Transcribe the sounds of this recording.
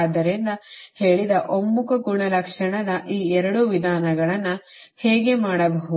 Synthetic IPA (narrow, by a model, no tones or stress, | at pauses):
d̪ɐɾind̪ɐhe̞ːɭid̪ɐʔomːukɐɡuɳɐlɐkʂɐɳɐd̪ɐʔiːɛɾɐɽuʋid̪ʱaːnɐɡɐɭɐnːu | heːɡe̞maːɽɐbɐɦu